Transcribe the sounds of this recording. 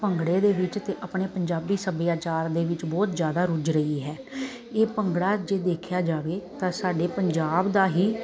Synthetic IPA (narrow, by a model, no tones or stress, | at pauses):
pəŋɡɽeːd̪eːʋɪt͡ʃt̪eːʔəpɳeːpəɲd͡ʒaːbiːsəbɪjaːt͡ʃaːɾd̪eːʋɪt͡ʃbɔːt̪zjaːd̪aːɾʊd͡ʒɾəiːɦɛː | eːpəŋɡɽaːd͡ʒeːd̪eːkʰjaːd͡ʒaːʋeːt̪ãːsaːɖeːpəɲd͡ʒaːbd̪aːɦiː